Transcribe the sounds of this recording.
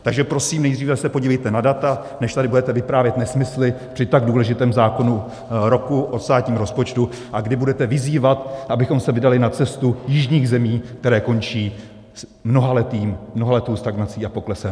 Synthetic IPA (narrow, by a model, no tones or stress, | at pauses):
t̪aɡʒɛpɾo̞siːmnɛjd̪riːvɛsɛpoɟiːvɛjt̪ɛnadat̪a | nɛʃt̪adɪbudɛt̪ɛvɪpɾaːvjɛt̪nɛsmɪslɪpr̝̥ɪt̪aɡduːlɛʒɪt̪ɛːmzaːko̞nu | ɾo̞kuʔost̪aːtɲiːmɾo̞spo̞t͡ʃt̪u | ʔaɡdɪbudɛt̪ɛvɪziːvat̪ʔabɪxo̞msɛvɪdalɪnat͡sɛst̪ujɪʒɲiːɣzɛmiːkt̪ɛɾɛːko̞nt͡ʃiː | smno̞ɦalɛt̪iːmmnoɦalɛt̪owst̪aɡnat͡siːʔapo̞klɛsɛm